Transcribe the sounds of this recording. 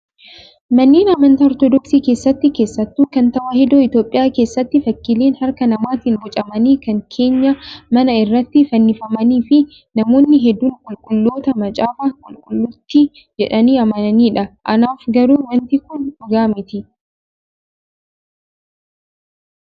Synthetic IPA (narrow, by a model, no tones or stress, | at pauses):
mɐnːiːnɐmɐnt̪ɐɔɾt̪ɔd̪ɔksiːke̞ːsːɐt̪ːɪke̞ːsːɐt̪ːuːkɐnt̪ɐwʔɐhɛd̪oːɪt̪jo̞ːpʼːɪjaːke̞ːsːɐt̪ːɪfɐkːɪliːnhɐɾkɐnɐmaːt̪ɪnbʊt͡ʃʼɐmɐniːkɐŋkʰe̞ːɲːɐmɐnɐɪrːɐt̪ːɪfɐnːɪfɐmɐniːfɪ | nɐmo̞ːnːɪɦɛd̪ːuːŋkʼʊlkʼʊlːo̞ːt̪ɐmɐt͡ʃʼaːfaːkʼʊlkʼʊlːʊt̪ːɪ | d͡ʒɛᶑɐniːɐmɐnɐniːᶑɐʔɐnaːfɡɐɾuːwɐnt̪ɪkʊnᶑʊɡaːmɪt̪ɪ